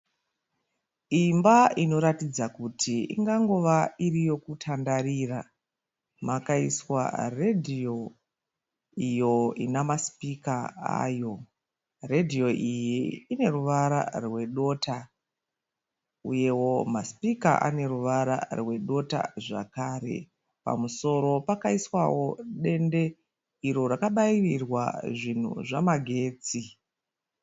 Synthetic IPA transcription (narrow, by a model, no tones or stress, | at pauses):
imbaino̞ɾatid͡zakutʰiḭŋɡaŋɡo̞ʋairijo̞kutʰandariːra | makaiswa̰redʱio̞ | ijo̞inamaspikaa̰ːjo̞ | re̞dʱio̞ʔijiine̞ruʋaɾa̰rwe̞ɗo̞ːtʰa | uje̞wo̞maspika̰ʔa̰ne̞ɾuʋaɾa̰rwe̞ɗo̞ta̰ʐa̰kaːɾe̞̰ | pa̰muso̞ɾo̞pakaiswawo̞ɗe̞nde̞ | iɾo̞rakaɓaiʋirwa̰ʐin̤ṵʐamaɡʱe̞ːt͡si